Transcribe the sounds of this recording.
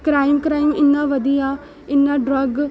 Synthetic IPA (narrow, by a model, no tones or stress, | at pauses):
kɾaːɪmkɾaːɪmɪnːãːʋəd̪ijaː | ɪnːãːɖɾəɡ